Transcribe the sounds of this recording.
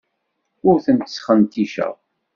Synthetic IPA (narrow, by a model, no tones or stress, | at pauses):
ʊɾθənt̪ə̥sχənt̪iʃæ̰ʁ